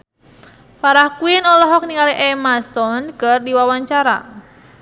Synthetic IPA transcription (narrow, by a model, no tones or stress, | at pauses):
faɾahkuinɔlɔɦɔk̚niŋaliʔɛmast̪ɔnkərdiwawaɲt͡ʃaɾa̰